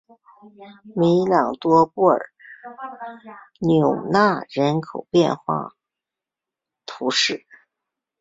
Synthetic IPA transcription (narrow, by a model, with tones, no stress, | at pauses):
mi˧˥lɑ˨˩ŋt̪wɔ˥pu˥˩ə̰˞˨˩˦ | njʊ˨˩ʊna˥˩ɻə˧˥nkʰo˨˩ʊpjɛ̰˥˧nxwa̰˥˩ | t̪ʰu˧˥ʂɻ̩˥˩